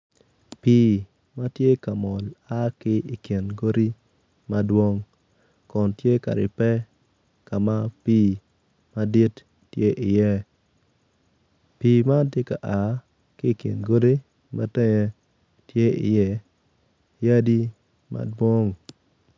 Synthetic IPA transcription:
pi˦ | ma˦tje˦ka˨mɔ˨la˦kɪ˦i˨ke˨nɡo˦ɾi˦ | ma˦dwo˦ŋ | kɔ˨ntje˦ka̰˨ɾɪ̰˨pɛ˦ | ka˨ma˦piː˦ | ma˦di˦tː | je˦ʔɪ˨jɛ˦ | pi˦ma˦tje˦ka̰˨ʔa˨ | kɪ˦˨kjḛ˨nɡo˦di˦ | ma˦tɛ˦ŋe˦ | tje˦ɪ˨jɛ˦ | ja˦di˦ | ma̰˦dwo˦ŋ

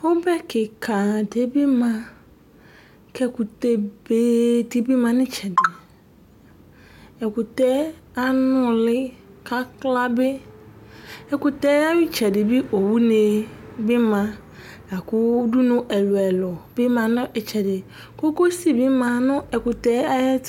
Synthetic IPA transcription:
o˦bɛ˦kɪ˨kʰã˨de˨bɪ˦mã˨ | kɛ˦ku˨te˦be˦ti˦bi˦mã˨nɪ̃˦t͡ʃɛ˨dɪ˨ | ɛ˨kʊ˨tɛ˦a˦nʊ˦lɪ˦ka˦kla˦bɪ˦ | ɛ˨kʊ˨t̪ɛ˦a˦wɪ˦t͡ʃɛ˨dɪ˨bi˦ʔo˨wu˦ne˨bɪ˦mã˨ | a˨kʊ˦du˦nʊ̃˦ʔɛ˨lʊ˨ɛ˨lɔ˨bɪ˦mã˨nʊ̃˦ʔɛ˨t͡ʃɛ˨dɪ˨ | ko˦ko˦si˦bɪ˦mã˨nʊ̃˦ɛ˨kʊ˨t̪ɛ˦a˦ɛ˦

